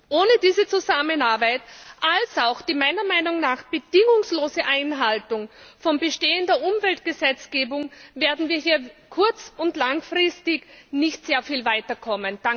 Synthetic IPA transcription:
ʔoːnədiːzət͡suzamənaɐbaɪtʔalsaʊxd̥iːmaɪnɐmaɪnʊŋnaːxb̥əd̥ɪŋʊŋsloːzəʔaɪnɦaltʊŋfɔmbəʃteːəndɐʔʊmvɛltɡ̥əzɛt͡sɡ̥eːbʊŋveːɐdn̩viːɐɦiːɐkʰʊɐt͡sʊntlaŋfʁɪstɪçnɪçtz̥eːɐfiːlvaɪtɐkʰɔmənd̥a

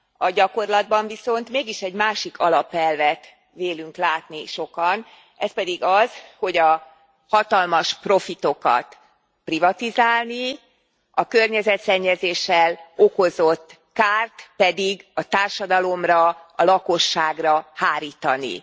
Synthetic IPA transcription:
ɒɟɒko̞rlɒd̪̚bɒɱviso̞nt̪meːɡiʃɛɟmaːʃikʰɒlɒpɛlvɛt̪ | ʋeːlyŋklaːt̪niʃo̞kɒn | ɛspɛd̪iɡɒzho̞ɟɒ | hɒt̪ɒlmɒʃpro̞fit̪o̞kɒ̰t̪ | privɒt̪izaːlni | ɒkørɲɛzɛt̪sɛɲːɛzeːʃɛlo̞ko̞zo̞t̪ː | kaːrt̪pɛd̪iɡɒt̪aːrʃɒd̪ɒlo̞mrɒɒlɒkoʃːaːɡrɒhaːɾiːt̪ɒnḭ

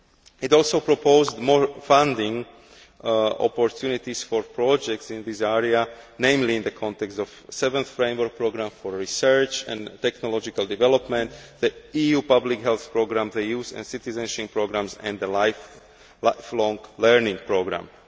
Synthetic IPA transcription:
itɔlsoʊpɾɔpʰoʊzd̪mɔɹfãnd̪ĩŋ | ɔ̰pɔɹt̪ʰjunit̪isfɔɹpɾɔd͡ʒɛk̚tsĩnðisɛɹianẽɪ̃mlĩːnd̪əkʰɔ̃nt̪ɛkst̪ɔfsɛvɛ̃nθfɾẽɪ̃mʋəɾk̚pɹoɡɾãmfɔɹːisɜɹt͡ʃɛ̰̃nt̪ɛknɔlɔd͡ʒikald̪ivɛlɔpmɛ̃nt̪ðəiːjuːpablikɦɛlθpɹoɡɾãmðejuːzɛ̰̃nsit̪izɛ̃nʃĩŋpɹoɡɾãmsɛ̰̃nðəlaɪf | laɪflɔ̃ŋɡlɛɹnĩŋpɹoɡɾã̰m

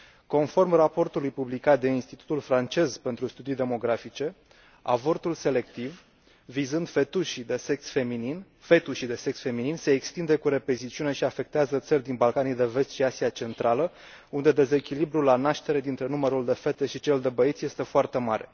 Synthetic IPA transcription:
ko̞nfo̞rmrapo̞rt̪ulujpublikat̪̚d̪einst̪it̪u̥t̪ulfɾant͡ʃe̞zpe̞nt̪ɾust̪ud̪ijd̪e̞mo̞ɡɾafit͡ʃe̞ | a̰vo̞rt̪ulse̞le̞kt̪ivː | izɨnd̪fet̪uʃid̪e̞seksfeminin | fe̞t̪uʃid̪e̞se̞ksfe̞mininse̞ːkst̪ind̪e̞kuɾe̞pe̞zit̪t͡ʃiune̞ʃiafe̞k̚t̪eazət̪sərʲd̪inbalkanijd̪e̞ve̞st̪ʃiasiat͡ʃe̞nt̪ɾalə | und̪e̞d̪e̞ze̞kʲilibɾulanaʃt̪e̞ɾe̞d̪int̪ɾe̞numəɾuld̪e̞fe̞t̪e̞ʃit͡ʃe̞ld̪e̞bəit̪sʲje̞st̪e̞foart̪e̞maɾe̞̰

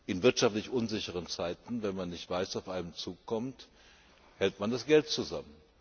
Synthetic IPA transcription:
ʔɪnvɪɐtʃaftlɪçʔʊnzɪçəʁ̞ənt͡saɪtn̩vɛnmanːɪçtv̥aɪsaʊfʔaɪnəmt͡suːkʰːɔmt | hɛltmandasɡ̥ɛlt̚t͡suza̰mən

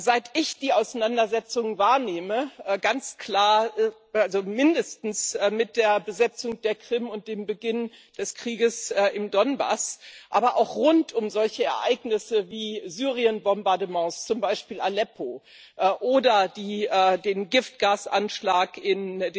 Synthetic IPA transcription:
zaɪtɪçd̥iːaʊsanandɐzɛt͡sʊŋvaːɐneːməʔɛːɡant͡skl̥aːɐ | alzomɪndəstn̩sɛmɪt̚d̥eːɐbəzɛt͡sʊŋd̥eːɐkʁ̥ɪmʊnt̚d̥eːmbəɡɪnd̥ɛskʁ̥iːɡəsɛːʔɪmdɔnba̰sʔaːbɐʔa̰ʊxʁʊntʰʊmzɔlçəɛ̰ɐʔaɪɡnɪsəviːzyːʁiənbɔmbaɐdəmɑ̃ːst͡sʊmbaɪʃpiːlalɛpʰoː | ʔɛʔoːdɐdiːɛːdeːnɡɪft̚ɡ̥aːsʔa̰nʃlaːkɪnd

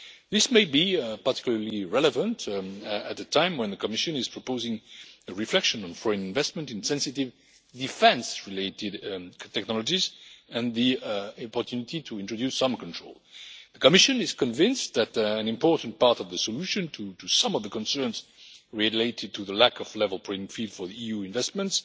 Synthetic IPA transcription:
ðɪsmeɪbipa˞tɪ̥kjulə˞liɹɛləvə̃ntɨt̪̚ðɨtʰãɪ̃mwɛ̃nðəkəmɪʃɨ̃nɪz̥pʰɹ̥əpoʊzɪ̃ŋəɹiflɛkʃɨ̃nə̃nfɔɹɨ̃nɪ̃nvɛsmə̃ntɨ̃nsɛ̃nsɨtɪv | dfɛ̃nsɹileɪɾɪdtʰɛknɑləd͡ʒizɨ̃nðiɔpə˞tʰjʉnɪtʰitʰuɪ̃ntɹ̥ɨdjʉsʌ̃mkntɹ̥oʊlˠðəkəmɪʃɨ̃nɪz̥kɨ̃ɱvɪ̃nsðætɨ̃nɪ̃mpɔɹtn̩̚pɑɹtʌvðəsəluʃɨ̃ntʰutusʌ̃mʌvðəkə̃nsɜ̃˞nzɹileɪɾɨd̚tʰuðəlækʰʌvlɛvəl̩ˠpʰɹ̥ɪ̃ɪ̃ŋfilˠd̥fə˞ðiijuɪ̃nvɛst̚mə̃nts

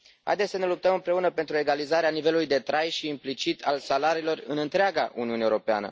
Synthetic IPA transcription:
ha̰jd̪e̞sənelup̚t̪əmɨmpɾe̞unəpe̞nt̪ɾue̞ɡalizaɾeanive̞lulujd̪e̞t̪ɾajʃiːmplit͡ʃit̪ʰa̰lsalaɾiːlo̞rɨnɨnt̪ɾeaɡaʔṵniuneuɾo̞pea̰nə̰

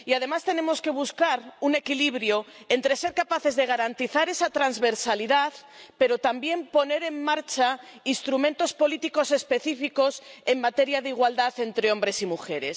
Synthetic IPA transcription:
iað̞e̞mast̪e̞nẽ̞mo̞ske̞β̞uskaɾune̞kiliβ̞ɾjoent̪ɾe̞se̞ɾkapaθe̞zðe̞ɣ̞aɾant̪iθaɾe̞sat̪ɾanzβe̞ɾsaliðaθpe̞ɾo̞t̪ambje̞mpo̞ne̞ɾe̞mːaɾt͡ʃainst̪ɾumẽ̞nt̪o̞spo̞lit̪iko̞se̞spe̞θifiko̞se̞ŋmat̪e̞ɾjaðeiɣwald̪aθe̞nt̪ɾeo̞mbɾe̞simuxe̞ɾe̞̰s

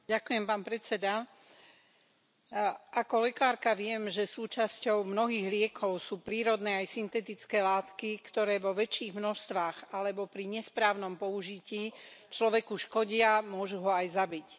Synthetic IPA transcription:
ɟakujɛmpaːnpɾɛt͡sɛd̪a | ʔakɔlɛkaːɾkaʋɪɛmʒɛsuːt͡ʃascɔʊmnɔɦiːɣlɪɛkʰɔʊsuːpɾiːɾɔd̪nɛːajsint̪ɛt̪it͡skɛːlaːt̪kikt̪ɔɾɛːʋɔʋɛt͡ʃiːɣmnɔʃst̪ʋaːɣalɛbɔpɾiɲɛspɾaːʊnɔmpɔuʒiciːt͡ʃlɔʋɛkuʃkɔɟɪamʊɔʒuɦɔajzabic

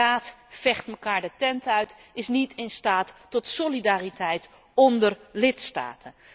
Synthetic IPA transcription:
aːtfɛχtməkaːɹdətɛntœɥtɪsnitɪnstaːtː | ɔtsolidaːritɛjt | ɔndərlɪtsta̰ːtʰən

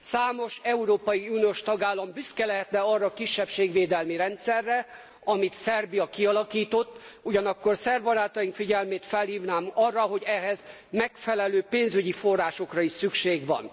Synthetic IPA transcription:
saːmo̞ʃɛuɾoːpɒjiunijoːʃt̪ɒɡaːlːɒmbyskɛlɛɦɛt̪nɛɒrːɒːkiʃːɛpʃeːɡʋeːd̪ɛlmiɾɛnt̪sɛrːɛ | ɒmit̪sɛrbijɒkiɒlɒkiːt̪o̞t̪ː | uɟɒnɒkːo̞rsɛrbɒɾaːt̪ɒjiŋkfiɟɛlmeːt̪fɛlhiːvnaːmɒrːɒɦo̞ɟɛɦɛz | mɛkfɛlɛløːpeːnzyɟifo̞rːaːʃo̞krɒiʃsykʃeːɡʋɒ̰n

